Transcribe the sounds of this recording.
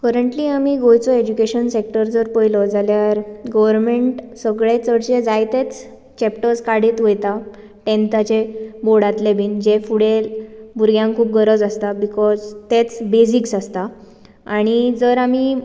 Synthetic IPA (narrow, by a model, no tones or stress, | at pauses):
kəɾəɳʈliːamiːɡojt͡sɔed͡ʑukeɕənsek̚ʈəɾd͡zəɾpəjlɔd͡zaljaɾɡəʋəɾnmeɳʈsəɡɭet͡səɽt͡ɕed͡zajt̪et͡s | t͡ɕɛpʈəskaɽiːt̪ʋəjt̪a | ʈẽnt̪at͡ɕeboɽat̪lebʱiːnd͡ʑefuɽelbuɾɡjãŋkʰuːp̚ɡəɾəd͡zast̪abikɔzt̪et͡sbesiksast̪a | aɽ̃id͡zəɾam̤iː